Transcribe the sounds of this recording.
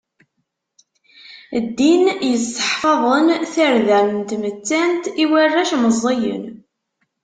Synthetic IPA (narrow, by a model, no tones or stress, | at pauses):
d̪ːinjəst̪ə̥ħfɑðˤənθəɾðælənt̪mət͡sːænt̪iwærːæʃməzˤːejə̰n